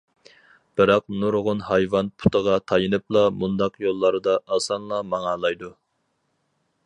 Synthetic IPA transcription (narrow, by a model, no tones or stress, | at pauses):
b̥ɨɾɑqnuɾʁʊnhɑjvɑnpʰu̥t̪əʁɑt̪ʰɑjɨnɨp̚lˠɑmund̪ɑqjolˠːɑɾɨd̪ɑʔɑsɑnlˠɑmɑŋɑlˠɑjd̪u